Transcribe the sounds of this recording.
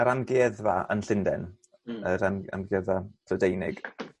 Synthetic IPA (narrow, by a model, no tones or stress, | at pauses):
aɾanɡeːðvaə̰nɬɪndɛ̰n | əɾana̰nɡɛðatʰədejnɪ̰ɡ̥